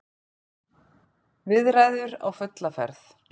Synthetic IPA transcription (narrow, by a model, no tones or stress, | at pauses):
vɪðrajðʏɾa̰wfœt̪lafɛ̰ɾθ